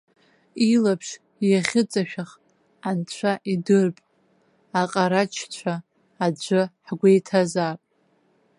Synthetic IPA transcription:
ilapʰʂ | jaχʲɪt͡sʼaʃᶣaχ | ant͡ɕʷʰaʔidɨrpʼ | aqʼaɾat͡ʃʰt͡ɕʷʰaː | d͡ʒʷɨħɡʷejtʰazaːpʼ

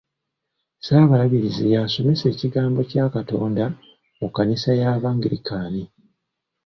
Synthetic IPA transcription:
saːβalaβiɾizijaːso̞me̞se̞ːciɡaːmbo̞caːkato̞ːnda | mukːanisajaːβaːŋɡiɾikaːni

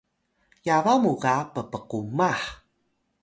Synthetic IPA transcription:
javamukapəpəqumaħ

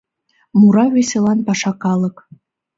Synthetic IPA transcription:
muɾɑβesʲelɑnpɑʃɑkɑlˠɤ̆k

